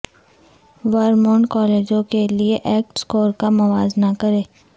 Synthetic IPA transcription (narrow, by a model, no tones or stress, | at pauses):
ʋəɾmɔ̃ːɳʈkɔːleːd͡ʒõkelieʔɛːk̚ʈskoːɾkamɐʋaːznakɐɾẽː